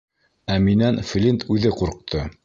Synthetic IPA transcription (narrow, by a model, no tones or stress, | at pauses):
æminænflʲint̪ʰʉðɘquɾq̚t̪ʰo